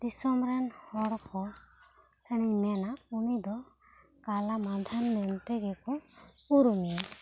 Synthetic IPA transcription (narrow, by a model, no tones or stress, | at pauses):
d̪̥isɔmɾɛnhɔɽɔkʰɔ | ɛɽ̃iɲmɛnaunid̪ɔ | kalamad̪ʱanmɛnʈɛɡɛkɔuɾumi